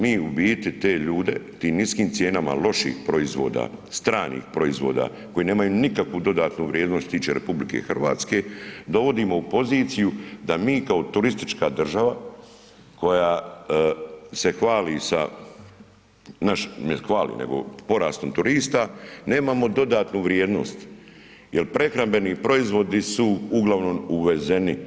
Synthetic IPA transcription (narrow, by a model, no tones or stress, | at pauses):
miːubiːt̪it̪e̞ːʎuːd̪e̞̰t̪iːmniskiːmt̪sje̞ːnama̰lo̞ʃḭːxpɾo̞izʋo̞ːd̪a̰ːst̪ɾaːnḭːxpɾo̞izʋo̞ːd̪a̰ | ko̞jine̞ːmajuːnikakʋud̪o̞d̪aːt̪nuʋɾjeːd̪nost̪t̪t̪iːt͡ʃeːɾepublikḛxr̩ʋa̰ːt̪ske̞ːd̪o̞ʋo̞d̪iːmo̞upo̞ziːt̪sijud̪amiːkao̞t̪uɾist̪i̥t͡ʃkad̪r̩ʒaʋa | ko̞jaː | se̞xʋaːlisa̰ | naʃmexʋaːlḭnḛɡo̞̰po̞ɾaːst̪o̞mt̪uɾiːst̪ane̞ːmamo̞d̪o̞d̪aːt̪nuʋɾjeːd̪no̞̰st̪jelpɾe̞xɾambe̞nipɾo̞izʋo̞d̪isuuɡlˠaʋno̞muʋe̞ze̞ni